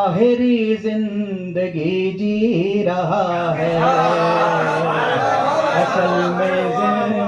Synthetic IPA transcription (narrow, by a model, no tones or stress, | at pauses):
ɦɪɾizɪ̃n | d̪ɐɡid͡ʒiɾɐɦaɦɛ | ɐsɐlmẽzɪ